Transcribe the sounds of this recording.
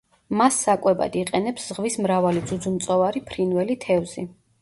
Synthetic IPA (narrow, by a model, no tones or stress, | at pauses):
masːakʼwɛba̰d̪iqʼɛnɛpszʁvismɾavalid̪zud̪zumt̪sʼɔvaɾipʰɾinvɛlit̪ʰɛvz̥i